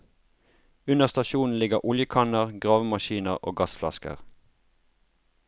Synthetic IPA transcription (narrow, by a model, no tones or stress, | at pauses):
ʉnəʁst̪ɑʃuːn̩lɪɡəʁʔʊljəkʰɑnəʁɡʁɑːʋəmɑʃiːnəʁʔo̰ːɡɑsflɑ̰skə̰ʁ